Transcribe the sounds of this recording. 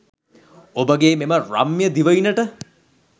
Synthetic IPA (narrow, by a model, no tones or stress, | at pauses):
obəɡeːmeməra̰mːjəd̪iʋəinəʈə